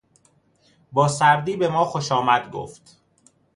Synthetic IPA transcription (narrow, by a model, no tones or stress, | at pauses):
bɒːsæɾd̪iːbe̞mɒːxo̞ʃɒːmæd̪ɡo̰ːft̪